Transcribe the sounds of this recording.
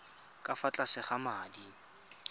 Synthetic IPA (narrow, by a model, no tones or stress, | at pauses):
kʼafat͡ɬʼasɪχamaːdi